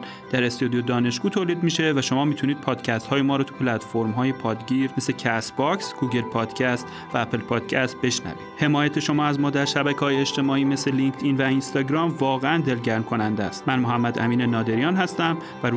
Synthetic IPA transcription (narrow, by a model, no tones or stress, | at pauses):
d̪̥æɾest̪od̪jod̪ɒːne̞ʃɡ̥uːt̪ʰoːliːd̪miːʃe̞væʃo̞mɒːmiːt̪ʰuniːd̪̚pʰɒːd̪̥cʰæst̪hɒːjemɒːɾɔːt̪ʰu̥pʰelæt̪ʰfo̞ɾmɦɒːje̞pʰɒːd̪ɟiːɾmesecʰæsbɒːksɡ̥uːɡe̞lpʰɒːd̪̥cʰæst̪ | væːpʰelpʰɒːd̪̥cʰæst̪̚be̞ʃnæ̰vḭːd̥̪he̞mɒːjæt̪ʰe̞ʃo̞mɒːæzmɒːd̪æɾʃæbækʰehɒːjeet͡ʃt̪e̞mɒːiːme̞sleliŋkt̪ʰiːnvæinst̪ɒːɟɾɒːmvɒːɣeænd̪e̞lɟæɾmkʰo̞nænd̪æst̪mænmo̞ɦæmːæd̪ʔæ̰miːnenɒːd̪e̞ɾijɒːnɦæst̪æm | væɾ